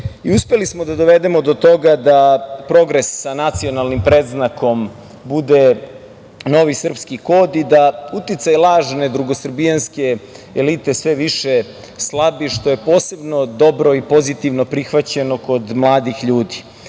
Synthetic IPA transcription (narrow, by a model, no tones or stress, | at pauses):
iuspe̞lismod̪ad̪o̞ʋe̞d̪e̞mo̞d̪o̞t̪o̞ɡad̪apɾo̞ɡɾe̞sːanat̪sio̞nalˠnimpɾeːd̪znakom | bud̪e̞ | no̞ʋisr̩pskiko̞ːd̪id̪aut̪it̪sajlˠaːʒne̞d̪ɾuɡo̞sr̩bijanske̞ː | lit̪esʋeʋiʃe̞ | slˠabiʃt̪o̞je̞po̞ːse̞bno̞d̪o̞bɾo̞ipo̞zit̪iʋno̞pɾixʋat͡ɕe̞no̞ko̞d̪mlˠaːd̪ixʎuːd̪i̥